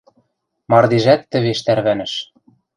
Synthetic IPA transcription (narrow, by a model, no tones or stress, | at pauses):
mɑrd̪eʒæt̪ːɘ̆βeʃt̪æɾβænɘ̆ʃ